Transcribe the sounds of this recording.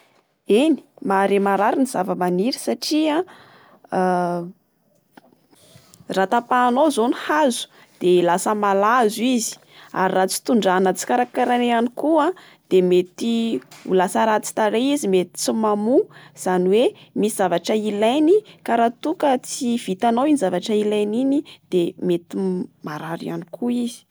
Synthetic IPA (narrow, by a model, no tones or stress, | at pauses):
eni̥maɾemaɾaɾiniz̥avəmaniɾisaʈ͡ʂia | rat̪apaːnozonihazu̥ | d̪̥elasəmalazuizi̥ | a̰ɾirat͡si̥t̪uɳɖ͡ʐanət͡si̥kaɾakaɾaneanikua | d̪̥emet̪iṵlasəɾat͡si̥t̪aɾeizimet̪i̥t͡simamuz̥aniwemisiz̥avaʈ͡ʂəilajnikaɾat̪ukət͡siv̥it̪anowinizavaʈ͡ʂəilajninid̪̥emet̪imaɾaɾia̰nikʰuizi̥